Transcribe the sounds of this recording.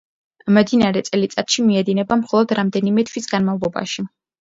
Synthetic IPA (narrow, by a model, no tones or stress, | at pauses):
md̪inaɾɛt̪sʼɛlit̪sʼat̪ʃimiɛd̪inɛbamχɔlˠɔd̪ɾamd̪ɛnimɛt̪ʰwisɡanmavlˠɔba̰ʃi